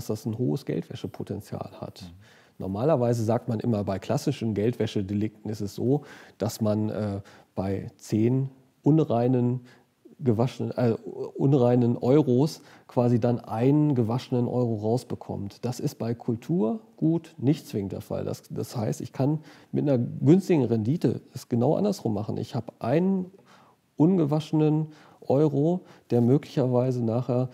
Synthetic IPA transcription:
sd̥asn̩hoːəsɡ̥ɛ̰ltv̥ɛʃəpʰotʰɛnt͡sja̰ːlha̰t | nʔɔ̰ɐmaːlɐvaɪzəzaːk̚tmanʔɪ̰mɐbaɪkʰl̥asɪʃn̩ɡɛltv̥ɛʃədelɪk̚tn̩ɪstɛsz̥oːd̥asmanʔɛːb̥aɪt͡seːn | ʔʊnʁaɪnən | ɡəvaʃnəʔɛʔʊnʁaɪnənʔɔʏʁos | kv̥aːzidanʔaɪnənɡəvaʃənənʔɔ̰ʏʁoʁaʊsb̥əkʰɔ̰mtd̥asɪst̚b̥aɪkʰʊltʰuːɐɡ̥uːtnɪçtt͡sv̥ɪŋəntd̥ḛɐfa̰lda̰sd̥ashaɪstɪçkʰanmɪtnɐɡʏnstɪɡŋ̩ʁɛndiːtə̰ɛsɡ̥ənaʊʔa̰ndɐsʁ̥ʊmːaχn̩ʔɪ̰çhaːbəʔaɪnən | ʔʊnɡəvaʃənən | ʔɔʏʁod̥eːɐmøːklɪçɐvaɪzənaːχheːɐ

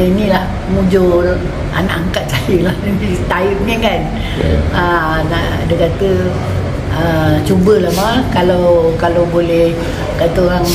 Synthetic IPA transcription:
inilah | mud͡ʒor | ʔa̰naʔaŋkat̪̚sajəlahnabisə̥t̪ait̪̚ŋekan | ana̰ʔ | dəkat̪ə | ət͡ʃubəlahmakalawkalawbolɛh | kat̪əɦaŋ

